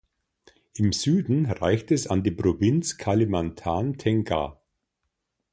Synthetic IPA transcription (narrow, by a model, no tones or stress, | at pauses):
ʔɪmzyːdn̩ʁa̰ɪçtɛsandiːpʁ̥ovɪnt͡skʰalimantʰaːntʰɛŋɡa̰